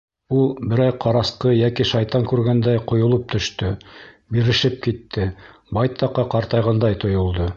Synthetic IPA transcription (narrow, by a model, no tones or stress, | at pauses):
ulˠbɘ̆ɾɑjqʰɑɾɑsqɤjækiʃɑjt̪ɑŋkʉɾɡænd̪æjqŏjŏlˠɤp̚t̪ɵ̆ʃt̪ɵ | biɾɘ̆ʃɘp̚kit̪ːɘ | bɑjt̪ʰɑqːɑqɑɾt̪ɑjʁɑnd̪ɑjt̪ŏjŏlˠd̪ɤ